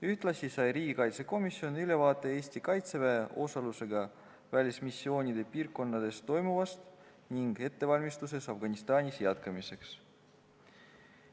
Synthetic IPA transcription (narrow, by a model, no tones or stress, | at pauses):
yht̪lɑsisɑjriːɡ̥ikɑjt̪se̞ko̞misːjo̞nyle̞vɑːt̪ːˑe̞eːsʲt̪ikɑjt̪se̞veːʔo̞sɑluse̞ɡɑ | vælʲismisʲːio̞ːnʲid̪̥e̞piːrkkːo̞nːɑd̪̥e̞st̪ːo̞jmuvɑst̪ | niŋɡ̥e̞t̪ːe̞vɑlʲmist̪use̞sɑfɡ̥ɑnʲist̪ɑːnʲisjɑt̪kɑmise̞ks